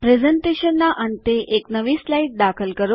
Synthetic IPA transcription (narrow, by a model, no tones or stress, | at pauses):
pɾed͡zəɳʈeɕənːaʔənit̪eʔeknəʋiːslaiʈ̚d̪akʰəlkəɾo